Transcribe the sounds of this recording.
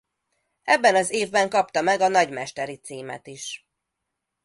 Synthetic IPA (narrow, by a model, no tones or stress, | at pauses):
ɛbːɛnɒzeːvbɛŋkɒpt̪ɒmɛɡɒnɒɟmɛʃt̪ɛɾit̪siːmɛ̰t̪iʃ